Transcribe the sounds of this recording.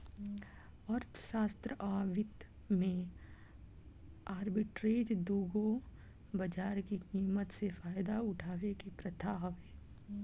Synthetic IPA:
ɔɾt̪ʰə̥ʃaːst̪ɾəʔaːʋɪt̪ | mẽ | aːɾbɪʈɾeːd͡ʒd̪uːɡo | bɐd͡ʒaːɾkikiːmət̪sefaːjd̪aʊʈʰaːʋekepɾɐt̪ʰaːɦʋeː

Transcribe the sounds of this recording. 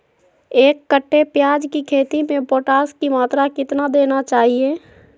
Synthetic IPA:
eːkːəʈʰːepjaːd͡ʒkikʰeːt̪imẽpoːʈaːskimaːt̪ɾakɪt̪nad̪eːnat͡ʃaːɦie

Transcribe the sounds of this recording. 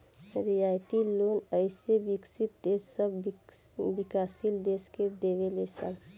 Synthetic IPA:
ɾijajt̪ilonəɪsebiksit̪̚d̪esːəb | bikasild̪esked̪eʋelesə̰l

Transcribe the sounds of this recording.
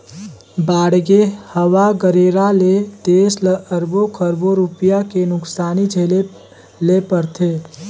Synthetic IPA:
baːɽɡehəwaɡəɾeːɾalet̪eːsləəɾbokʰəɾboɾupijakenʊksaːnid͡ʒʱeːle | lepəɾt̪ʰeː

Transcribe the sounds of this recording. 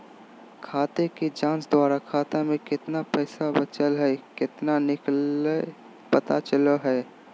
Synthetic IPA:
kʰaːt̪eked͡ʒãːnsd̪waːɾakʰaːt̪amẽkɪt̪napɛːsabət͡ʃəlɦɛkɪt̪nanɪke | pət̪at͡ʃəloɦɛː

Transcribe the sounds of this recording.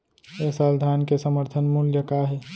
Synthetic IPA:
esaːld̪ʱaːnkesəməɾt̪ʰənmuljəkaɦɛː

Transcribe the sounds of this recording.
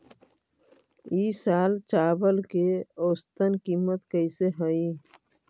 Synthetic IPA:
iːsaːlt͡ʃaːbəlkeoːst̪ənkiːmət̪kəiseɦəi

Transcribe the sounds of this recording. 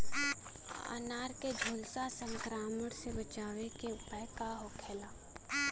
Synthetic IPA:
a̰naːɾked͡ʒʱoːlsasə̃ŋkɾaːməɽsebət͡ʃaːʋekeʊpəjkaɦokʰeːlaː

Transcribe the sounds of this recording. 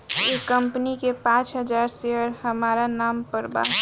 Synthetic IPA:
ekəmpnikepãːt͡ʃɦəd͡ʒaːɾseəɾhəmaːɾanaːmpəɾba̰

